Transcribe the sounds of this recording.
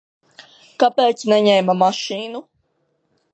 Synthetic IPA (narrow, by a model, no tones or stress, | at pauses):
kapeːt̪snɛɲɛmamaʃiːnu